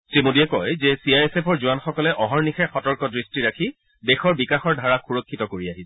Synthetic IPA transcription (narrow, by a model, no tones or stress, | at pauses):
timodiɛkɔjzɛsiajɛsepʰɔɹzuwanxɔkɔlɛʔɔɦɔɹnixɛxɔtɔɹkɔdɹistiɹakʰi | dɛxɔɹbikaxɔɹdʱaɹaxuɹokʰːitɔkoɹiaɦisɛ